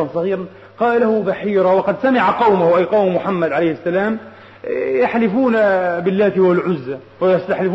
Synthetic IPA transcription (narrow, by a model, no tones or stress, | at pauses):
ɑnsˤɑɣiːɾɑn | qɑːllahʊbaħiːɾawɑqɑd̪samɪʕaqɑwmʊhʔajqɑwmmʊħamːad̪ʕalajhɪsːalaːm | jaħlɪfuːnabɪlːaːt̪ɪwalʕʊzːa | wɪjast̪aħlɪf